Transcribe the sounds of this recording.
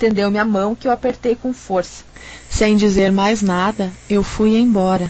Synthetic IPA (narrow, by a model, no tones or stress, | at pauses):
t̪ẽnd̪ewmɪamɐ̃w̃kɪwapeɾt̪ejkõw̃foɾsɐ̥sẽj̃d͡ʒizeɾmajznad̪ɐewfujẽj̃bɔɾɐ